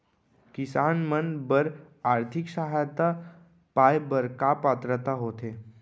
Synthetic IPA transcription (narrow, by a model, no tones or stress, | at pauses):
kisanmənbəɾ | aɾt̪ʰikɕaɦajt̪a | pajbəɾkapat̪ɾət̪aɦot̪e